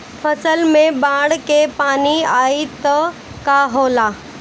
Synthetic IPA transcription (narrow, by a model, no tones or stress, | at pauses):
pʰəsəlmẽbãːɽkepaːniaːit̪ə | kaɦoːla